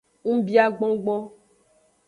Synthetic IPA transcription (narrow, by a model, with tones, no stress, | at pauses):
ŋ̩̃˦bi˦a˨ɡ͡bɔ̃˦ɡ͡bɔ̃˦